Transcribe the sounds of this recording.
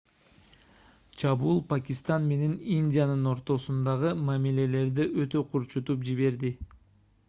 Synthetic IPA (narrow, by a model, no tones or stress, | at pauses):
t͡ʃʰɑβuːlˠpakʲist̪ɑnme̞ne̞ninʲdʲijanɯno̞ɾt̪o̞sund̪ɑʁɯmamile̞le̞ɾd̪iʔø̞t̪ø̞qʰuɾt͡ʃut̪upd͡ʒiβe̞ɾd̪i